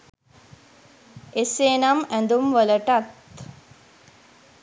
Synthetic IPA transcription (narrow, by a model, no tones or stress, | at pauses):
eseːnamæ̃nd̪umʋələʈat̪